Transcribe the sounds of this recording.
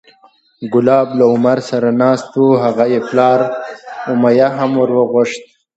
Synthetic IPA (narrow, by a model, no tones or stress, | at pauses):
ɡʊlɑːblaʊmaɾsaɾanɑːst̪wuɦaɣajeplɑːɾʊmajaɦamwʊɾwəɣʊʂt̪̚